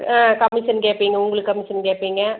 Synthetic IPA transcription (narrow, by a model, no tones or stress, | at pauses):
kɐmɪʃɐnkeːʈpːiːŋɡɐʊŋɡɐɭɯkːkɐmɪʃɐnkeːʈpːiːŋɡɐ